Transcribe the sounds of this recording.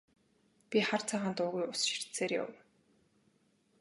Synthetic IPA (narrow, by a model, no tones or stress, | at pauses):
pʲiχar̥t͡sʰaːʁaːnt̪ʊːɣujʊsʃi̥r̥t̪seːrja̰w